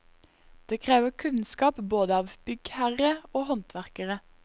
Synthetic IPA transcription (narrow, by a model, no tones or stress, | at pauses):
d̪̥eːkʰʁeːʋəkʰʉnskɑːpboːd̪əɑːʋb̥ʏɡhæʁəoːhɔnt̪ʰʋæʁkəʁə